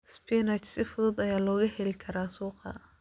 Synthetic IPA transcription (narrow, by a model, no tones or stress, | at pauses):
spʰinɐt͡ʃsɪfʊðʊd̪ɐjaːlɔːɣɐhɛlɪkʰɐɾaːsuːqɐ̰